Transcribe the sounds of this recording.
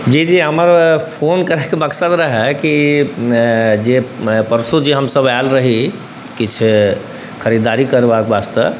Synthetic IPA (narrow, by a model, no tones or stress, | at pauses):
d͡ʒed͡ʒeɦəməɾpʰonkəɾɛkeməksəd̪ɾəɦɛki | d͡ʒepəɾsud͡ʒiɦəmsəbalɾəɦi | kit͡ʃʰ | kʰəɾid̪aɾikəɾbakbast̪əb